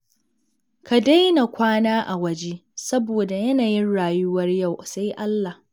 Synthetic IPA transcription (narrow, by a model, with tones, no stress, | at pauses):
ka˨da˦jna˨kʷaː˦naː˦ʔa˨wɐ˨d͡ʒeː˦sɐ˦boː˨da˨jɐ˦naː˨jɪ˦nɽaː˨jʊ˦wɐ˦rja˦˨wsa˦jʔa˦lːa˨